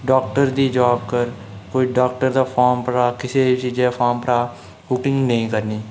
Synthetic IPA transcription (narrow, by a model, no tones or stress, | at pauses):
ɖoːk̚ʈəɾd̪iːd͡ʒaːb̚kəɾ | koːiːɖaːk̚ʈəɾd̪aːpʰaːɾmpəɾaːkɪseːt͡ʃiːd͡ʒẽːpʰaːmpəɾaː | buːkɪ̃ŋɡnəĩːkəɾniː